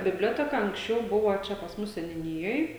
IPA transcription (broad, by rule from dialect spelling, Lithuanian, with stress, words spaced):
bʲɪbʲˈlʲoːtʲɛkɐ ɐŋksʲˈt͡ʃʲɛʊ ˈbʊʋoː ˈt͡ʃʲɛ pɐs ˈmʊs sʲɛnʲʊˈnʲɪjoːj